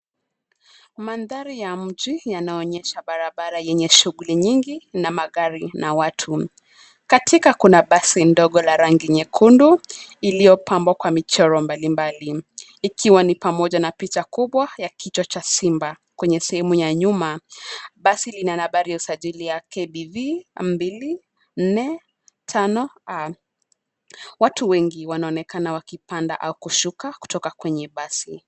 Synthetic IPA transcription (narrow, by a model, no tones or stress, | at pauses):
manðaɾijam̩ʄijanaɔɲɛʃaɓaɾaɓaɾajɛɲɛʃuɣuliɲiŋɡinamaɣaɾinawatʰu | katʰikakunaɓasindɔɠɔlaɾaŋɡiɲɛkʰunduilijɔpʰambwakwamit͡ʃɔɾɔmbalimbali | ikʰiwanipamɔʄanapit͡ʃakuɓwajakʰit͡ʃat͡ʃasimba | kwɛɲɛsɛhɛmujaɲumaɓasilinanaɓaɾijausaʄilijakʰɛɓivia̰m̩bili | n̩nɛ | tʰanɔa | watuwɛŋɡiwanaɔnɛkanawakipanda̰ʔaukuʃukaku̥tɔkakwɛɲɛɓasi